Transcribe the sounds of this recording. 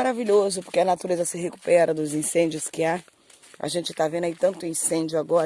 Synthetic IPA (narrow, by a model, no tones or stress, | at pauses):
aɾaviʎozʊpoɾkɪɐnat̪uɾezɐsɪɦeku̥pɛɾɐd̪ʊzĩsẽnd͡ʒjʊskɪa | a̰ʒẽnt͡ʃɪ̥t̪avẽnd̪ait̪ɐ̃nt̪ʊĩsẽd͡ʒʊaɡɔɾ